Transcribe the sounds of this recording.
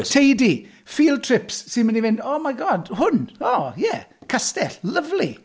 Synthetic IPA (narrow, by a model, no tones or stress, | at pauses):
tʰejdi | fiːlˠtʰrɪpsːɪnmanivɪndoːmajɡɔːdhʊnoːjɛkʰastɛɬləvli